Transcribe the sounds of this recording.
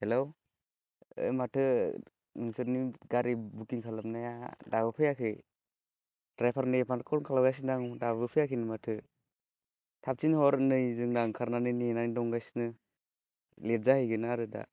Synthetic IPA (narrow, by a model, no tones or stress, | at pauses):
helow | ɯ̰jmatʰɯ | ɯnsɯɾniɡaɾibukiŋkʰalamnajadabɯpʰɯjakʰɯj | tɾajpʰaɾnɯpʰankʰɔɾŋkʰalaɡajs̬indaŋdabɯpʰɯjakʰinɯmatʰɯ | tʰap̚t͡ʃinhɔɾnɯjzɯŋdaŋkʰaɾnanɯjninanidɔŋɡajsnɯ | let̚zahɯjɡɯnaɾɯda̰